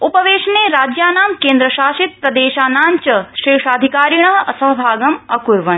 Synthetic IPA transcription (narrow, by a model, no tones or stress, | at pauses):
upɐʋeːʃɐneːɾaːd͡ʒjaːnaːmkeːnd̪ɾɐʃaːʃit̪̚pɾɐd̪eːʃaːnaːɲt͡ʃɐʃeːʂaːd̪ʱikaːɾiɳɐɦɐ̰sɐɦɐbʱaːɡɐmɐkuɾʋɐɳ